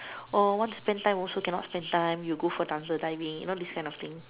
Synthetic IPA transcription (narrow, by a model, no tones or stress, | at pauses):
ɔwãnspɛ̃ntãɪ̃mɔlsokɛ̃nɔ̰tspɛ̃ntãj̃mjuɡofɔdãnsədaɪvĩŋjṵnodiskãj̃nɔft̪ĩŋ